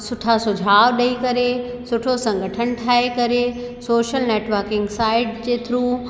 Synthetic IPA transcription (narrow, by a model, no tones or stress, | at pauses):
sʊʈʰasʊd͡ʑʱaːʋɗɐikɐɾe | sʊʈʰosɐ̃ŋɡʱəʈʰənʈʰaːɦekɐɾe | soːʃəlneːʈʋəɾkɪ̃ŋɡsaːɪʈd͡ʑeːt̪ʰɾuː